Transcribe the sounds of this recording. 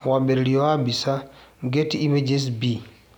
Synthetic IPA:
wambeɾiɾiɔambisaŋɡetiimed͡ʒes̬bi

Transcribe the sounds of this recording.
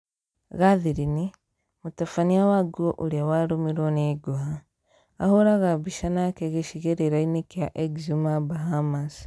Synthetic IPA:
ɣaðiɾini | mutafaniawaɡoʔuljawaɾomiɾoneɡoɦaː | hoɾaɣabiʃanakeɣeʃiɣeɾeɾainikjaʔeɡzimabaɦamas

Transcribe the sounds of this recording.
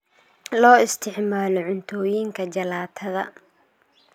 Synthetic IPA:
lɔːɪst̪ʰɪʕmaːlɔʕʊnt̪ʰɔːjiːŋkʰɐd͡ʒɐlaːt̪ʰɐðɐ̰

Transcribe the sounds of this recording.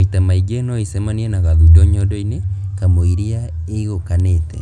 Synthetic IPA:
itamaiɡenɔisɛmaniɛnaɣaðudɔɲɔdɔinekamoiɾiaeiɣokanetɛ̰

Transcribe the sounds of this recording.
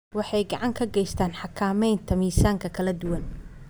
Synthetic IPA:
wɑħɑjɡɑʕɑŋkʰɐɡɛjst̪ʰaːnħɑkʰaːmɛjnt̪ʰɐmiːsaːŋkʰɐkʰɐlɐd̪ʊwɐn

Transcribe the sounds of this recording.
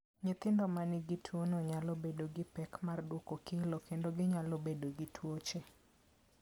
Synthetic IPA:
ɲɪt̪ɪndɔmanɪɡɪtʰwonɔɲalobedoɡɪpɛkmardwokokɪlokendoɡɪɲalobedoɡɪtʰwot͡ʃe

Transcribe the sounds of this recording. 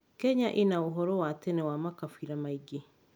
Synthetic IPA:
kɛɲaʔenaoɦɔɾɔwatɛnɛwamakafiɾamaiɡe

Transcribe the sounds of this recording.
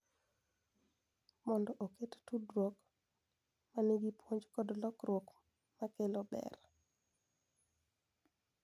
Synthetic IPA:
mɔndɔʔokettudwok | maniɡipwoɲd͡ʒkɔdlɔkɾwok | makelobɛ̰r

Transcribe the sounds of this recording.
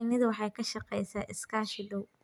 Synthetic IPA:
nɪðɐwɑħɑːjkʰɐʃɐqɛjsaːʔɪskʰaːʃɪɖɔw

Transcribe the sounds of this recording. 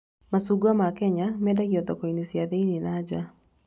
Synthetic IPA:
masuɡuamakɛɲamɛdaɣiɔðɔkɔinisjaðeininad͡ʒa

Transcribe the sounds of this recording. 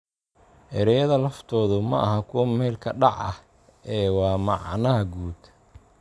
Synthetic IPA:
hɛɾɛjɐðɐlɐft̪ʰɔːðʊmɐ̰ʔɐɦɐkʰʊwɐmɛːlkʰɐɖɑʕɐ̰h | ɛːwɑːmɑʕnɐɦɐɡuːd̪

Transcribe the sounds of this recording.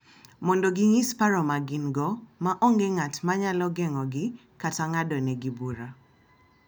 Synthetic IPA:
mɔndɔɡɪŋispaɾɔmaɡinɡɔmaʔɔŋɡɛŋatmaɲalɔɡɛŋɔɡɪ | kataŋadɔnɛɡibuɾa

